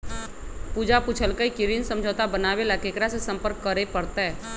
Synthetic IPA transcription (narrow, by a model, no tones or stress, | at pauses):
puːd͡ʒaput͡ʃʰəlkəikɪɾɪnsə̃md͡ʒʱoːt̪abənaːʋelakeːkɾasesə̃mpəɾkːəɾepəɾt̪aɦɛː